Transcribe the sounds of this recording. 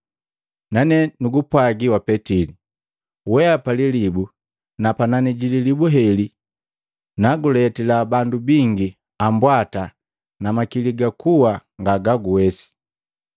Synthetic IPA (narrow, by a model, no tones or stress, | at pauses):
nanɛnuɡupwaɡiwapɛtili | wɛapalilibu | napananɛɟililibuɦɛli | naɡulɛtilabandubiŋɡi | ambwata | namakiliɡakuwaŋɡaɡaɡuwɛsi̥